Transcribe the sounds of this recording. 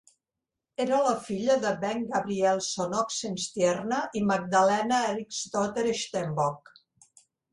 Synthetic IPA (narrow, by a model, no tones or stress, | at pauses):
eɾələfiʎəðəbɛŋɡəβɾiɛlˠsonoksenst̪jɛrnəʔiməɡ̚d̪əlɛnəɛrikst̪ot̪eɾeʃt̪embɔk